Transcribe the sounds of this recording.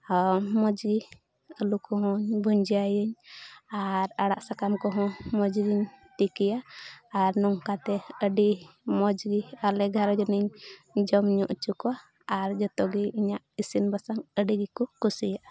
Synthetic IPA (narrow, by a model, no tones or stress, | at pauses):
mɔd͡ʒɡi | əlukɔɦɔ̃ɲbʱuɲd͡ʒajəɲaɾaɽaʔsakamkɔɦɔ̃mɔd͡ʒɡiɲt̪ikijaː | ɾnɔŋkat̪ɛəɖimɔd͡ʒɡialɛɡʱaɾd͡ʒɔniɲd͡ʒɔmɲɔʔt͡ʃukɔaː | ɾd͡ʒɔt̪ɔɡiʔiɲaʔisinbasaŋəɖiɡikɔkusijaʔ